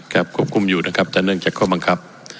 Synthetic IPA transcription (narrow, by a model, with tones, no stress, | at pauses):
kaː˨˩p̚kʰu˥˩əp̚kʰu˧mjuː˨˩na˦˥˩kʰp̚t͡ɕa˨˩nɯ˥˩əŋt͡ɕaː˨˩kʰːɔː˥˩ba˧ŋkʰa˦˥p̚